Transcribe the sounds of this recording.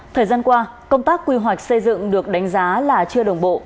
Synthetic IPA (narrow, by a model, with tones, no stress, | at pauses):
t̪ʰəː˨˩jzaː˧nkwaː˧ | kə˧wŋ͡mt̪aː˦˥kːwi˧ɦwa˨˩k̚sə˧jzɨ̰˧˨ŋɗɨ˨˩ək̚ɗa˨˦jŋ̟zaː˨˦laː˨˩t͡ɕɨ˧əɗə˨˩wŋ͡mɓo̰˧˨